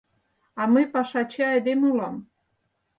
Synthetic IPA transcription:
ɑməjpɑʃɑt͡ɕeɑjd̪emulɑm

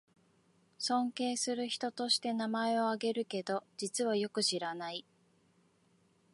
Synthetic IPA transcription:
sõ̞ŋke̞ːsɨɾɯ̟çi̥t̪o̞t̪o̞ɕi̥t̪e̞namae̞o̞aɡe̞ɾɯ̟ke̞d̪o̞d͡ʑit͡sɨβajo̞kɯ̟ɕiɾanai

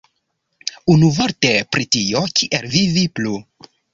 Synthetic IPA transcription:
unuvoɾtepɾitio̞kiʔelviviplu

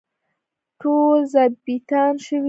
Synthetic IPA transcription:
ʈozabit̪ɑnʃəwi

